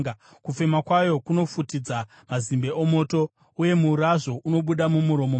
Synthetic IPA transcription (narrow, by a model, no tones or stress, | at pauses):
kufemakwajo̞kuno̞futid͡za | mazimbe̞ʔomo̞ːto̞ | uje̞muːɾaʐo̞ʔuno̞ɓuɗamumuɾo̞mo